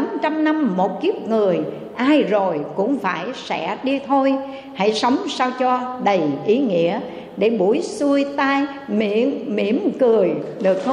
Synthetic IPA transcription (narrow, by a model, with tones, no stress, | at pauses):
a˨˦mt͡ɕa˧mna˧mːo˨˩t̚ki˦˥p̚ŋɨ˨˩əj | ʔaː˧jzo˨˩jkʊ̰˧˥ŋ͡mfaː˧˩jsɛ̰˧˥ɗi˧t̪ʰo˧j | ha̰˧˥˨jsə˨˦wŋ͡msaː˧wt͡ɕɔ˧ɗə˨˩jʔi˨˦ŋḭ˧˥ə | ɗe˧˩ɓu˧˩əjsu˧əjt̪aː˧j | mḭ˧˨ənmḭ˧˩əmkɨ˨˩əjɗɨ˨˩ək̚t̪ʰ